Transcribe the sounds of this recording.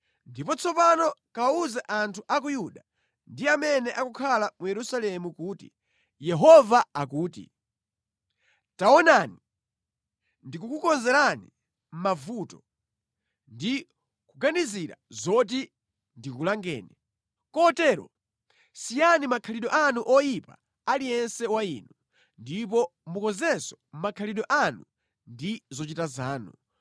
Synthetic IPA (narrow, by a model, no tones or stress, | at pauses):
ndipɔt͡sʰɔpanɔkawauzaʔantʰuʔak̬ujuɗa | ndiamɛnɛʔakukʰalamujɛɾusalɛmukuːtḭ | jɛɦɔvaakuːtḭ | taɔnaːni | ndikukukɔnzɛɾani | m̩mavutɔ̥ | ndi | kuɡaniziɾa̰zɔt̬i | ndikulaŋɡɛ̰ːnɛ | kɔtɛːɾɔ̰ | sijanimakʰaliɗɔʔanuʔɔjipa̰ | alijɛnsɛwaiːnu | ndip̬ɔmukɔnzɛsɔ̥m̩makʰaliɗɔʔanu | ndizɔt͡ʃitazaːnu